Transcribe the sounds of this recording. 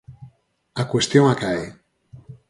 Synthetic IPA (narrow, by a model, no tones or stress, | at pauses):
akwest̪joŋakae